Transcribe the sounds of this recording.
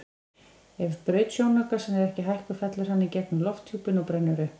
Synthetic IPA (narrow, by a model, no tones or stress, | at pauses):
ɛvʏɾpɾʏɥt̪sjownœːkḁsɛnɛɾɛhcɪɦajhkʏfɛt̪lʏɾ̥hanːɪcɛknʏmlɔft̪ʰjuːpɪnɔwpɾɛnːʏɾʏ